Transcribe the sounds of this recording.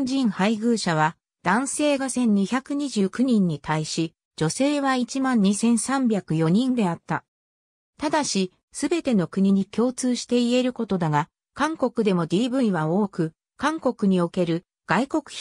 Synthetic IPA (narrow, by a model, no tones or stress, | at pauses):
d͡ʑĩɰ̃haiɡɯ̟ːɕaβ̞a | d̪̥ãɰ̃se̞ːɡasẽ̞ɲ̟ːiçakɯ̟ɲ̟iʑɨːkɯ̟ɲ̟ĩɲ̟ːit̪aiɕi | d͡ʑo̞se̞ːβait͡ɕimãɲ̟ɲːisẽ̞ɰ̃sãmbʲakɯ̟jo̞ɲ̟ĩnd̪e̞at̪ːa | t̪ad̪aɕi | sɨbe̞t̪e̞no̞kɯ̟ɲ̟iɲ̟ikʲo̞ːt͡sɨːɕi̥t̪e̞ie̞ɾɯ̟ko̞t̪o̞d̪aɡa | kãŋko̞kɯ̟d̪e̞mo̞d̪ʲiːbɯ̟iβao̞ːkɯ̟ | kãŋko̞kɯ̟ɲ̟io̞ke̞ɾɯ̟ | ɡ̥aiko̞kɯ̟̥